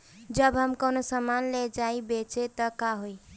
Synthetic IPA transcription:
d͡ʒəbɦəmkonosəmanled͡ʒaibet͡ʃet̪əkaɦoi

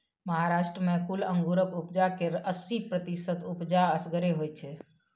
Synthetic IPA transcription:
məɦaɾaʃʈɾəmekuləŋɡuɾəkupd͡ʒakeəsipɾət̪isət̪upd͡ʒaəsɡəɾeɦojt͡ʃʰɛ

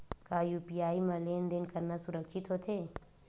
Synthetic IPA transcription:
kaːjuːpijaːimɐleːnd̪enkɐɾnasʊɾəkʃɪt̪ɦot̪ʰeː

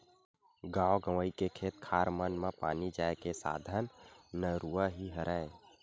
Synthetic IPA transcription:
ɡãːoɡəʋəikekʰeːt̪kʰaːɾmənmãpa̰ːnid͡ʒaːekesa̰ːd̪ʱənnəɾuːəɦiɦəɾʔaːe

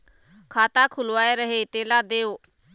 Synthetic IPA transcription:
kʰaːt̪aːkʰʊlʋaːeːɾəɦeːt̪eːlaːd̪eːoː

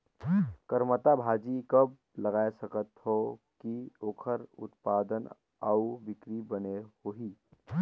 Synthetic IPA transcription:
kəɾmət̪abʱaːd͡ʒikəb̚ | ləɡaːesəkət̪hokioːkʰəɾʊ̰t̪paːd̪ən | aubɪkɾibənehoɦi

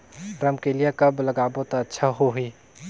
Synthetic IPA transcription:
ɾəmkelijakəbləɡaːbot̪aətːʃʰaɦoɦi

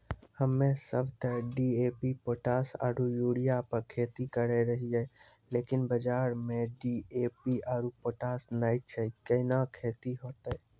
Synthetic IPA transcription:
həmːesəbʱt̪əɖiepipoʈasa̰ɾujuɽijapəɾkʰet̪ikəɾɛɾəɦiɛ | lekinbəd͡ʒaːɾmeɖiepiaɾupoʈasnajt͡ʃʰɛkənakʰet̪iɦoːt̪ə

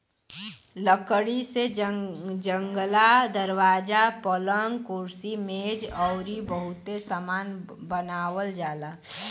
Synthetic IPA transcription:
ləkəɽise | d͡ʒəŋɡlad̪əɾwaːd͡ʒapələŋɡkuɾsimed͡ʒɔʊɾibəɦʊt̪esamaːnbənaːwəld͡ʒaːd̪a

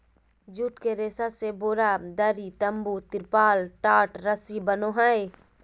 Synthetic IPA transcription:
d͡ʒuʈkeɾeːsaseboːɾad̪əɾit̪əmbut̪ɪɾpaːlʈaːʈɾəsibənoɦae

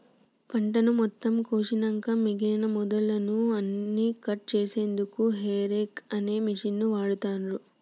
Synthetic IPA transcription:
pɐɳʈɐnumɔt̪ːɐmkoːʃinɐŋkɐmiɡeːnɐmɔd̪ɐlːɐnuɐnːiːkɐʈ̚t͡ʃeːse̞ːnd̪ukuɦeːɾekɐneːmiʂinːuʋaːɽut̪aːnɾu

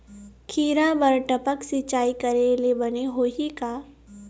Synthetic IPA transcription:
kʰiːɾabɐɾʈəpəksit͡ʃaːikɐɾelebɐneɦoːɦikaː

